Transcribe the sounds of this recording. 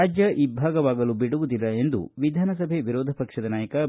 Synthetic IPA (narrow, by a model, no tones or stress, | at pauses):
aːd͡ʒjɐʔibʱaːɡɐʋaːɡɐlubiɽuʋud̪ilːɐe̞nd̪ṵʋid̪ʱaːnɐs̬ɐbʱeʋiɾɔːd̪ʱɐpɐkʂɐd̪ɐnaːjɐkɐ